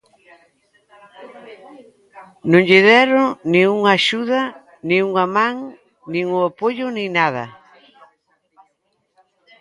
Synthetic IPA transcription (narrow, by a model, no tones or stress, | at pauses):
nõŋʎɪðɛɾonĩŋuŋaʃuðɐ | nĩuŋamãŋ | nĩŋʊapoʎʊnĩŋnaðɐ̰